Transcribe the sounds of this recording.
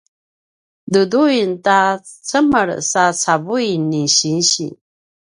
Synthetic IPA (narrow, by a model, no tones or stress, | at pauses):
d̪ud̪ujnta | t͡sʰəməɾ̰sat͡sʰaβujniɕinɕḭ